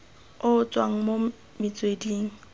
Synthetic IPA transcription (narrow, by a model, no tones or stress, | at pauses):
ʊt͡sʼwaŋ̩mo | mɪt͡sʼwediːŋ̩